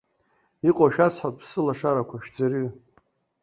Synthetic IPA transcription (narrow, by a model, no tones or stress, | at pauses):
iqʼaʃᶣasħapʼpsɨlaʂaɾakʷʰaʃᶣd͡zaɾy